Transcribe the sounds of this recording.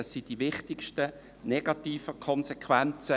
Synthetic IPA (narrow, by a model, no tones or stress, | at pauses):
sːid̥ivɪχtɪkʃtə | nɛɡ̥ɑt̪iːfəkʰɔnsɛkʰvɛnt͡sə